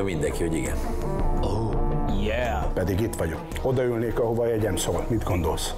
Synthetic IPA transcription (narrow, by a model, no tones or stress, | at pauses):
mind̪ɛŋkihoɟiɡɛ̰n | ojɛ | pɛd̪iɡit̪ʋɒɟok | o̞d̪ɒylneːkɒɦo̞vɒjɛɟɛmsoːlmid̪ɡo̞nd̪o̞ls